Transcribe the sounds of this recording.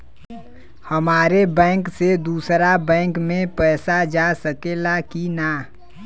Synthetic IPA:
həmaːɾebɛ̃ːŋksed̪uːsɾabɛ̃ːŋkmẽpɛːsad͡ʒasəkelakina

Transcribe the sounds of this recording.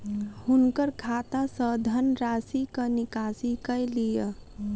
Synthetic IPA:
hunkəɾkʰat̪asəd̪ʱənɾasikənikasikəjlijə

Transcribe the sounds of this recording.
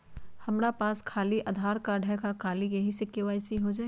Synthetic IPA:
hɐmɾapaːskʰaːliʔɐd̪ʱaːɾkaɖʱɛkakʰaːlikeɦisɪkːeʋaːɪsiɦod͡ʒaːe

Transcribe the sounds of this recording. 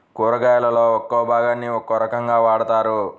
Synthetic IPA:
kuːɾɐɡaːjɐlɐloːɔkːobʱaːɡaːnːiɔkːoɾɐkɐŋɡaːʋaːɽɐt̪aːɾu

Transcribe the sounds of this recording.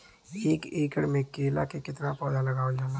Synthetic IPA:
eːkeːkəɽmẽkeːla̰kekɪt̪napɔːd͡ʒalɐɡaːod͡ʒana

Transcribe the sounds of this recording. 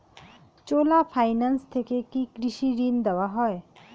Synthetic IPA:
t͡ʃoːlapʰaːɪnanst̪ʰekekikɾiʃiɾind̪ɐʋaɦɔe

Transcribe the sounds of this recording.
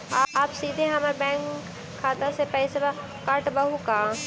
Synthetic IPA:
aːaːpsiːd̪ʱẽɦɐmaɾbɛ̃ːŋkʰː | aːt̪ãsepɛɪseba | kaɾʈbɐɦukaː

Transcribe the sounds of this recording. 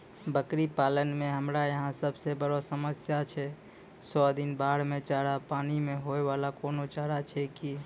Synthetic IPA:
bəkɾipalənmeɦəmɾajəɦãsəbsebəɾɔsəməsjat͡ʃʰɛ | sɔd̪inbaɽ̤met͡ʃaɾapanimeɦoeβalakonot͡ʃaɾat͡ʃʰɛki

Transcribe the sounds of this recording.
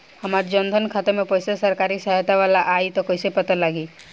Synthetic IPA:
həmaɾd͡ʒənd̪ʱənkʰat̪əɾmẽpɔɪsesəɾkaːɾisəɦt̪aʋalaʔaːit̪ɔkoɪsepət̪əlaːɡiː

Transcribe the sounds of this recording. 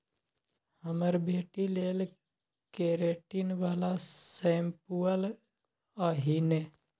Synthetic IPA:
həməɾbʱeːʈileːl | keɾeːʈinʋaːlasempuəl | aːɦine

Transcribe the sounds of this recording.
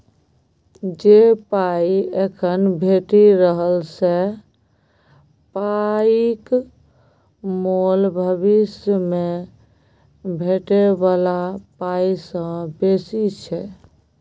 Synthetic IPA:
d͡ʒepaiekʰənbʱeʈiɾəɦəlse | paik | molbʱəβisjme | bʱeʈebalapaisə̃besit͡ʃʰɛ

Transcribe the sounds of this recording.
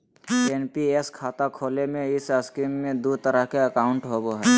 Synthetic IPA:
eːnpieskʰaːt̪akʰoːlemẽɪsəskiːmːẽd̪ut̪əɾəɦkeəkaːʊɳʈɦoːɡoɦɛː

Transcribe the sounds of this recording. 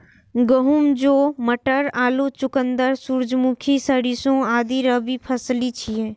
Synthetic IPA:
ɡəɦumd͡ʒoːməʈəɾaːlut͡ʃʊkənd̪əɾsuɾd͡ʒmukʰisəɽisõaːd̪iɾəbʱipʰəslit͡ʃʰiẽː

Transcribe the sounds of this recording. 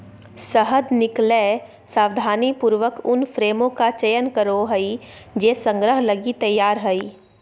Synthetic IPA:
səɦəd̪nɪkle | saːwd̪ʱaːnipuːɾʋəkʊnfʰɾeːmõkat͡ʃəjənkəɾoɦəid͡ʒeːsə̃ŋɡɾəɦləɡit̪əjːaːɾɦəi

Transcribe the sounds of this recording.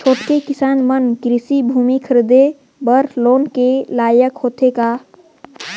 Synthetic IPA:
t͡ʃʰoːʈkekɪsaːnmənkɾɪsibʱuːmikʰəɾd̪e | bəɾloːnkelaːjəkhot̪ʰeka

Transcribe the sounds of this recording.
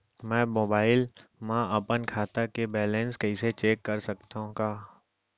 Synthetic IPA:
mɛ̃ːmoːbaːɪlmãɐpənkʰaːt̪akebɛːlɛ̃nskɛɪset͡ʃeːkːɐɾsɐkt̪aɦõkaː

